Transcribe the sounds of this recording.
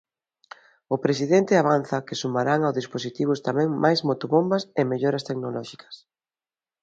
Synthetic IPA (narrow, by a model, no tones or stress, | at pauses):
ʊpɾes̬iðent̪ɪaβanθɐkɪsumaɾaŋawzðisposit̪iβ̞ʊst̪amɛ̃ŋmʔajzmot̪oβombɐsemeʎoɾɐst̪eknolɔʃikʰɐ̥s